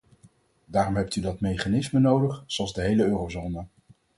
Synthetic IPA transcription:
daːɾɔmɦɛp̚tydɑtmejχaːnɪsmənowdəχz̥oɑlˠzdəɦejləøːrowzoːnə

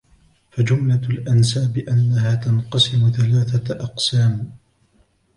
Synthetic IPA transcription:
fad͡ʒʊmlalʔansaːbɪʔanːaɦaːt̪anqɑsɪmʊθalaːθaʔɑqsaːm

